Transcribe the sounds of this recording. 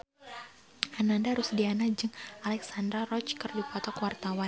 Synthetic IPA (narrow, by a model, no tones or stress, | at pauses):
anandaɾusdianad͡ʒɨŋalɛksandɾarɔt͡ʃkɨrdipɔt̪ɔkwart̪awan